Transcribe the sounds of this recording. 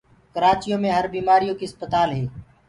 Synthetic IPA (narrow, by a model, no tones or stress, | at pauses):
kəɾaːt͡ʃijõːmẽːɦəɾbiːmaːɾijõːkiːəspət̪aːlɦeː